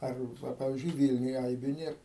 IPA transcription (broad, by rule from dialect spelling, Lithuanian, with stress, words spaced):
ˈɐr ˈʋɐ ˈpɑːʋʲɪzʲd͡ʒʲʊɪ ˈʋʲiːlʲnʲʊj ˈɐɪbʲʊ ˈnʲeːr